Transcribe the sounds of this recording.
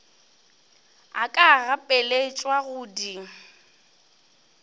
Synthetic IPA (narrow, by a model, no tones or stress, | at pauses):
akʼaɣapʼɛleit͡ʃʼwaɣʊːdi